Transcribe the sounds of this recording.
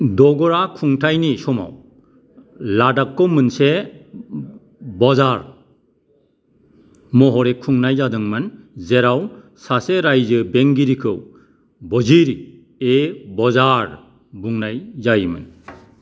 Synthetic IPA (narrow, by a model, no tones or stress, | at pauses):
dɔɡɔɾakʰuŋtʰajnisɔma̰w | ladakːɯwmɯnse | bɔzaɾ | mɔɦɔɾekʰuŋnajzadɯŋmɯnzeɾaw | saseɾajzɯbeŋɡiɾikʰɯw | bɔziɾi | ebɔzaɾ | buŋnajzajmɯ̰n